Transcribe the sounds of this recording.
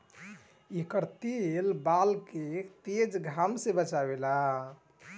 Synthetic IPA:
ikəɾt̪elbalket̪ed͡ʒɡʱamsẽbət͡ʃabela

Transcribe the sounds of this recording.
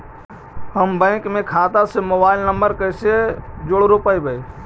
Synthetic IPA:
həmbə̃ɪkmekʰat̪asemobaɪlnəmbəɾkəjsed͡ʒoɽɾopəjbəj

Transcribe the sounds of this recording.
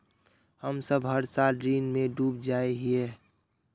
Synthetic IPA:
həmsəbɦəɾsalɖɾiːnmẽɖuːbd͡ʒaeɦie

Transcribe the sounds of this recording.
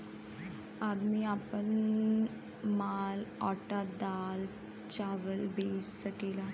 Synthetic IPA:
ad̪miapəni | malɔʈad̪al | t͡ɕaʋəlbeːssəkela

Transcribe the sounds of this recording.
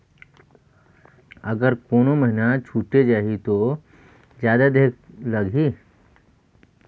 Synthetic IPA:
ɐɡəɾkoːnoməɦɪnat͡ʃʰuːʈed͡ʒaːɦit̪o | d͡ʒjaːd̪ad̪eːklɐɡʱi

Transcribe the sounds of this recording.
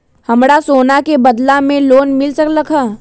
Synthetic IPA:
hɐmɽasoːnakebɐd̪lamẽloːnmɪlsɐklɐkʰaː

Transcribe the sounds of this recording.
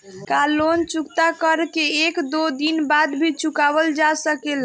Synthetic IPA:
kalont͡ʃukt̪akəɾkeːkd̪od̪inbad̪bʱit͡ʃukaβəld͡ʒasəkel

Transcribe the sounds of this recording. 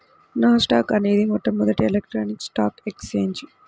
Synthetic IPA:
nɐsʈaːkɐne̞ːd̪imɔt̪ːɐmːɔd̪ɐʈielek̚ʈɾoːniksʈaːkekst͡ʃeːɲd͡ʒ

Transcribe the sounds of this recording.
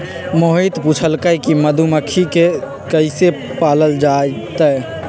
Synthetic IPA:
moɦit̪put͡ʃʰəlkəjkiməd̪ʱuməkʰike | kəise | paːləld͡ʒat̪ə

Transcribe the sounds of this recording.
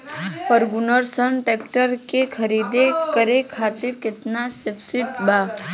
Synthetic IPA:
pəɾɡʊnəɾsənʈeːkʈəɾkekʰɐɾiːd̪ekəɾekʰaːt̪ɪɾkɪt̪nasɪpsɪʈbaː

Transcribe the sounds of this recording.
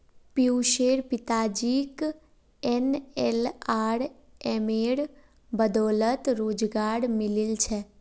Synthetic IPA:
pjuʃeːɾpɪt̪ad͡ʒik | ɛnɛlaːɽɛmeɽ | bəd̪ɔːlət̪ɾoːd͡ʒɡaːɽmɪlilt͡ʃʰe

